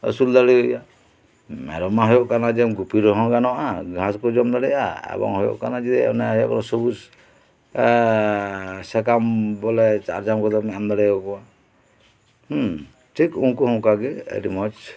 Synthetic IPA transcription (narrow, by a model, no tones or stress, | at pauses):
ə̰suld̪aɽiɔja | mɛ̰ɾɔmaɦɔjɔʔkanad͡ʒɛmɡupiɾɔɦɔ̃ɡanɔaɡʱãskɔd͡ʒɔmd̪aɽɛjaɛ̰bɔ̰ŋɦɔjo̰ʔkaɾnad͡ʒid̪ɛɔ̰naaɦɔjɔ̰kanɔsɔbus | sɛkambɔlɛt͡ʃa̰ɾd͡ʒamkɔt̪ɔmamd̪aɽajɔkɔa | ʈʰikuŋkuɦɔ̃kaɡɛḛɾimɔt͡ʃ